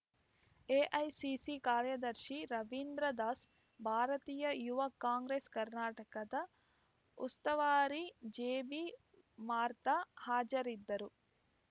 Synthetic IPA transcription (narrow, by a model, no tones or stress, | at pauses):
eːʔɐjsisikaːɾjɐd̪ɐɾʃiɾɐʋind̪ɾɐd̪aːs | bʱaːɾɐt̪iːjɐjuʋɐkːaːŋɡɾeːskɐɾnaːʈɐkɐd̪ɐ | ṵst̪ɐʋaːɾid͡ʒeːbi | maːɾt̪ɐhaːd͡ʒɐɾid̪ːɐɾu